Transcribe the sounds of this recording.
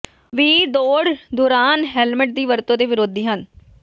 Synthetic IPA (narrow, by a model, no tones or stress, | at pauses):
ʋiːd̪oːɽd̪ʊɾaːnɦɛːlmɪʈ̚d̪iːʋəɾt̪õːd̪eːʋɪɾoːd̪iːɦən